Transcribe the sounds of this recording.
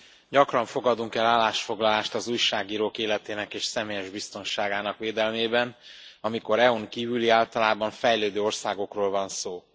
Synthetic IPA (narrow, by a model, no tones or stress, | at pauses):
ɟɒkrɒɱfo̞ɡɒd̪uŋkɛlːaːlːaːʃfo̞ɡlɒlaːʃt̪ɒzuːjʃaːɡiːɾoːkeːlɛt̪eːnɛkeːʃsɛmeːjɛʒbist̪o̞nʃaːɡaːnɒkʋeːd̪ɛlmeːbɛnɒmiko̞ɾɛuŋkiːvyliaːlt̪ɒlaːbɒɱfɛjløːd̪øːo̞rsaːɡo̞kroːlvɒnsoː